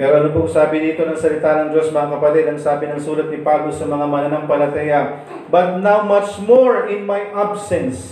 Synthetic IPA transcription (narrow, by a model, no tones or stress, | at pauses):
pɛːɾoʔɐnop̬osaːbɪniːt̪o̞nɐŋsɐlɪt̪aːnɐŋd͡ʒo̞smɐŋakɐpɐt̪id̪ɐŋsaːbɪnɐŋsuːlɐt̪̚nɪpablosɐmɐŋamɐnɐnaŋpɐlɐt̪ɛjɐ | bɐt̪̚nawmɐt͡ʃmoɹɪnmajʔabsɛns